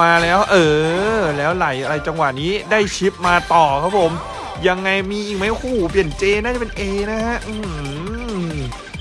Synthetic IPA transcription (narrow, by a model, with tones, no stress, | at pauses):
aː˧lɛː˦˥wʔɤː˧˩lɛː˦˥wla˩˦jʔa˧ɾa˧jt͡ɕa˧ŋwa˨˩niː˦˥daː˥˩jt͡ɕʰi˦˥p̚maː˧t̪ɔː˨˩kʰa˦˥pʰo˨˩˦m | ja˧ŋːa˧jmiː˧ʔiː˨˩ma˦˥˩jkʰuː˨˩pi˨˩ənt͡ɕeː˧naː˥˩t͡ɕa˨˩pe˧nʔeː˧na˦˥ha˦˥ʔɯː˧